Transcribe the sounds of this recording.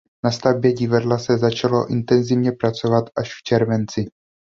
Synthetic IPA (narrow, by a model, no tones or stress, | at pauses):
nast̪avbjɛɟɪvadlasɛzat͡ʃalo̞̰ʔɪnt̪ɛnzɪvɲɛpɾat͡so̞vat̪ʔaʃft͡ʃɛɾvɛnt͡sɪ